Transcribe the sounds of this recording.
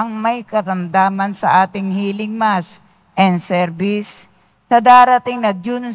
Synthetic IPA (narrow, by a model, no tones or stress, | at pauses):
ɐŋmɐjkɐɾɐmd̪aːmɐnsɐ̰ʔaːt̪ɪŋhiːlɪŋmas | ʔɛnd̪sɛɾbɪsː | ɐd̪aːɾɐt̪ɪŋnɐd͡ʒʊn